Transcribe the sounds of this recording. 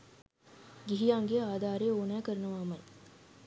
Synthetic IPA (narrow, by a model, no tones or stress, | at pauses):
ɡiɦijaːŋɡeaːd̪ʱaːɾeːoːnæːkəɾɐnɐʋaːmɐj